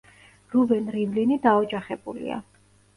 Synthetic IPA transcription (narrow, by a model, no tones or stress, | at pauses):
ɾubɛnɾimlinid̪aɔd͡ʒaχɛbulḭa̰